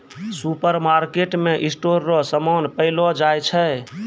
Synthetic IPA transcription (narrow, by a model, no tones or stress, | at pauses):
supəɾmaɾkeʈmeʔisʈoɾːɔsəmɔnpəɪlɔd͡ʒajt͡ʃʰɛ